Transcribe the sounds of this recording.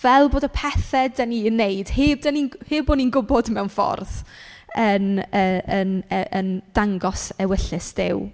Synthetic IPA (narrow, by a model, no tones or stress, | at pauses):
vɛlˠboːdəpʰɛθɛdəniənːejd̥heːb̚dəniheːboːninɡʊbɔdmɛwnfɔ̰rðənəːənʔənd̥aŋɡɔsɛwɪɬɨsd̥ɪw